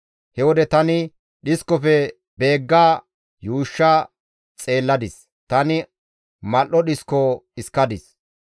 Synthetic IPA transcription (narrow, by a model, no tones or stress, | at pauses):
hɛwɔd̪ɛt̪ɐnɪ | ɗɪskɔfɛ | be̞ːɡːaː | juːʃːaː | t͡sʼe̞ːlːɐd̪ɪs | t̪ɐnɪ | mɐlʔɔɗɪskɔɪskːɐd̪ɪs